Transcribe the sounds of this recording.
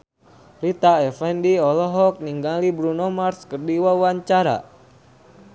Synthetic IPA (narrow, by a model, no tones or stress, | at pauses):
rit̪aɛfɛndiɔlɔɦɔk̚niŋɡalibɾunɔmarskərdiwawaɲt͡ʃaɾa̰